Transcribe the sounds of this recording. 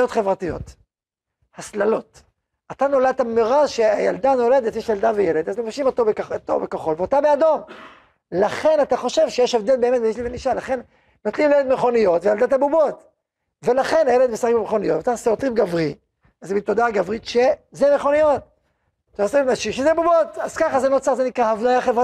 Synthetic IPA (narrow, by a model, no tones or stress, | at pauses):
ot̪χe̞vʁat̪ijo̞̰t̪ | haslalo̞t̪ | at̪ano̞lad̪̚tameʁaʃeajald̪ano̞le̞d̪et̪jeʃjald̪avejeled̪azlofaʃimot̪obekot̪o̰bekaχo̞lveot̪abead̪o̞m | laχe̞nat̪aχo̞ʃevʃejeʃevd̪elbe̞ːmet̪̚beiʃliveniʃalaχe̞n | not̪limljeled̪meχo̞nijo̞t̪vejald̪at̪abubot̪ | ve̞laχe̞najeled̪mesaχikbemeχo̞nijot̪vataseot̪ʁimɡavʁi | azbit̪od̪aɡavʁit̪ʃezemeχo̞nijo̞t̪̚ | t̪aosimnaʃimʃezebubotaz̥kaχazenot͡saʁzenikʁahavnajaχevʁa